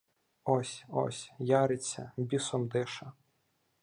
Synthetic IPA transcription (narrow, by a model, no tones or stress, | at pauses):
ɔsʲɔ̰sʲjɑɾɪt͡sʲːɐ̰bʲisɔmd̪ɪʃɐ